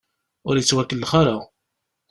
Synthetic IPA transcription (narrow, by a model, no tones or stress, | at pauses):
ʊɾjət͡sːwækːəlːχaɾa